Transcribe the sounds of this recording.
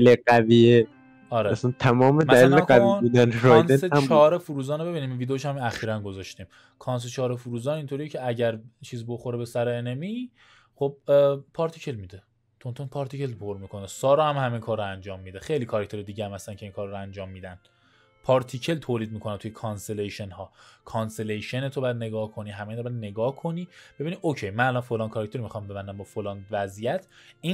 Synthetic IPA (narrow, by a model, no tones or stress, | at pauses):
leɡæviːe | ɒɾeæsænt̪ʰæmɒːmemæælileæviud̪ænɾojnsnet͡ʃʰɒːɾefuɾuːzɒːnebe̞biːniːmvid̪eoʃæmæxiːɾænɡo̞zɒʃt̪im | kʰɒns̬et͡ʃʰɒːɾefuɾuːzɒːnint̪ʰo̞ɾijecʰeæɟæɾt͡ʃʰiːzbo̞xoɾebe̞sæɾeenemi | χob̚pʰɒɾt̪ʰicʰe̞lmiːd̪e | t̪ʰont̪ʰonpʰɒɾt̪ʰicʰe̞lpʰoɾmikʰo̞nesɒːɾɒhæmhæmeŋkʰɒːɾoænd͡ʒɒːmːid̪exe̞jliːkʰɒɾæcʰt̪ʰeɾed̪iːɟeæmhæslæncʰeiːŋkʰɒːɾːoænd͡ʒɒːmːiːd̪æn | pʰɒːɾt̪ʰicʰe̞lt̪ʰoːliːd̪̚miːkʰonæt̪ʰujekʰɒnseleʃenhɒːkʰɒnselejʃenet̪ʰobæd̪ne̞ɡɒːhkʰo̞niːɦæmeinɾbæd̪ne̞ɡɒːhkʰo̞niːb̥e̞biːnid̪ocʰejmænælɒnfolɒːnkʰɒɾæc̚ʰt̪ʰe̞ɾimixɒmbe̞bænd̪æmbɒfolɒːnvæzijæt̪ʰi